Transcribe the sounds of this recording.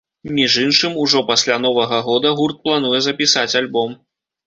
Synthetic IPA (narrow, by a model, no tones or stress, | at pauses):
mʲiʐinʂɨmuʐɔpasʲlʲanɔvɐɣɐɣɔd̪ɐɣurt̪̚plˠan̪ujɛzɐpʲisat͡sʲalʲbɔm